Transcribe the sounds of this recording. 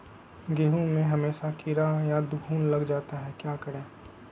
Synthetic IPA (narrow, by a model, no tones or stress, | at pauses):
ɡeːɦũmẽɦɐmeːʃakɪɾajad̪bʱuːnlɐɡd͡ʒaːt̪aɦɛkjaːkɐɾẽː